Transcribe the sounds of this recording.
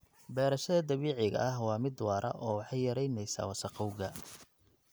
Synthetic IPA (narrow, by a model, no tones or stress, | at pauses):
bɛːɾɐʃɐðɐd̪ɐβiːʕɪɣɐ̰ʔɐɦwɑːmɪd̪wɑːɾʔɐ̰ʔɔːwɑħɑjjɐɾɛjnɛjsa̰ːwɑsɑqɔwɣɐ